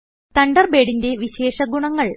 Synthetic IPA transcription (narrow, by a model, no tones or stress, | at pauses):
t̪ɐɳɖɐrbe̞ːɽinde̞ʋiɕeːʂɐɡuɳɐŋːɐɭ